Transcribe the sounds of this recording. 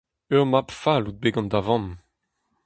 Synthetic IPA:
œʁmapfalud̪̚beɡɑ̃nd̪avɑ̃n

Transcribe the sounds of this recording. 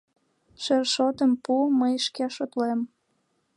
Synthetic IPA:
ʃerʃot̪əmpuməjʃkeɑʃot̪lem

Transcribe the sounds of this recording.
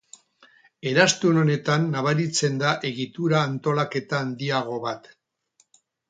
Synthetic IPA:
e̞ɾast̪uno̞ne̞t̪anːaβ̞aɾit͡se̞nd̪aʔe̞ɣit̪uɾaːnt̪o̞lake̞t̪aːnd̪iaɣ̞o̞βat̪

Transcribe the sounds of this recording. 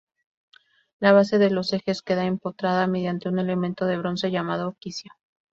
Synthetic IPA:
laβ̞ase̞ðe̞lo̞se̞xe̞ske̞ðaempot̪ɾaðame̞ðjant̪e̞une̞le̞mẽnt̪o̞ðe̞β̞ɾo̞nse̞ʝamaðokisjo

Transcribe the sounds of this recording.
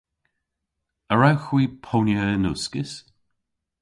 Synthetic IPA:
əɹawxwiːpʰonjəɪnʊskɪs

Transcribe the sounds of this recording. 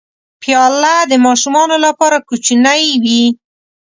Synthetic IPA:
pjɑlad̪əmɑʃumɑnolapɑɾakut͡ʃinajwi

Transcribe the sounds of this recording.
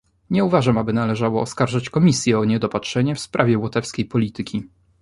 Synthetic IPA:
ɲɛuvaʐamabɘnalɛʐawɔːskaɾʐat͡ɕkɔmʲisʲjɛɔɲɛd̪ɔpatʂɛɲɛfspɾʔavʲjɛwɔt̪ɛfskʲejpɔlʲit̪ɘkʲi

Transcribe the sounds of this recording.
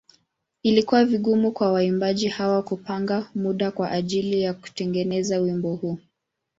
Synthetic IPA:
ilikuwaviɠumukwawaimbaʄihawakupaŋɡamuɗakwaʔaʄilijaku̥tɛŋɡɛnɛzawimbɔhuː

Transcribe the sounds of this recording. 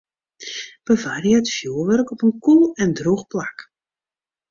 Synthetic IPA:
b̥əvarjəətfjuːəʋørkɔpənkulˠɛndruxplak

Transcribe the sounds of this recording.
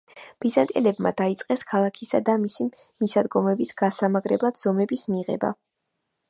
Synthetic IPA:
b̥izant̪ʼɛlɛbma̰d̪ait̪sʼqʼɛskʰalˠakʰisad̪amisimisad̪ɡɔmɛbisɡ̥asamaɡʼɾɛblˠad̪z̥ɔmɛbismiʁɛ̰ba̰

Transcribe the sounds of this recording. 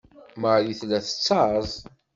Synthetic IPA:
məʕjiθlæθə̥t͡sːɑzˤ

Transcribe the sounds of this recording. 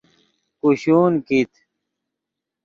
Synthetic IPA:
kuɕuːnkit̪

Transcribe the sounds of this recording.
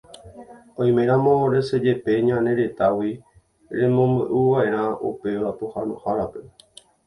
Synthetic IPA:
õj̃mẽ̞ɾ̃ãmõ̞ɾe̞se̞d͡ʒe̞pe̞ɲãnẽ̞ɾe̞t̪awi | ɾẽ̞mõ̞mbɨʔuʋaʔe̞ɾ̃ãʔṵpe̞ʋapohanõhaɾape̞

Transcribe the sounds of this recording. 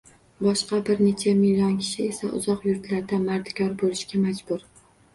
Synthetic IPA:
bɒʃqɑbɪɾne̞t͡ʃʰamɪlʲːɒnkʲʰɪ̥ʃɪe̞saʔʊ̰zɒqjʊɾt̪laɾd̪amaɾd̪ɪkʲʰɒɾbolɪʃkʲamad͡ʒbʊɾ

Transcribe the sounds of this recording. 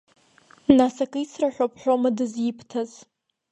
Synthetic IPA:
nasakʼɨisraħʷᶣopʰʼħʷᶣomadɨzjɪpʰtʰaz

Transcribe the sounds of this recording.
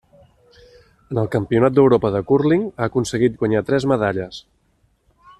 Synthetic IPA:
ənəlˠkəmpiunat̪̚d̪əwɾopəðəkurliŋaəkunsəɣit̪̚ɡwəɲat̪ɾɛzməðaʎəs

